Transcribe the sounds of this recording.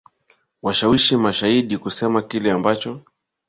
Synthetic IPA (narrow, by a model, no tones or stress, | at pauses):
waʃawiʃimaʃaiɗikusɛmakilɛambat͡ʃɔ